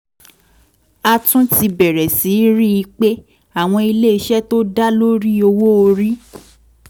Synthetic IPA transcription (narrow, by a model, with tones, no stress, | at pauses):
a˧tũ˦ti˧bɛ˨ɾɛ˨si˨˦ɾi˦i˧k͡pe˦ | a˦˨w̃ɔ̃˧i˧le˦i˧ʃɛ˦to˦da˦lo˦ɾi˦o˧wo˦o˧ɾi˦